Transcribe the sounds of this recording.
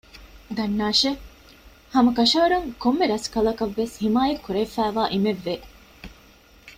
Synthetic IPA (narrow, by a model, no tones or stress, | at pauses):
d̪ɐnːaːʃe | hɐmɐkɐʃɐʋɐɾɐŋkomːeɾɐskɐlɐkɐʋːeshimaːjɐkːuɾefæːʋaːʔimeʋːe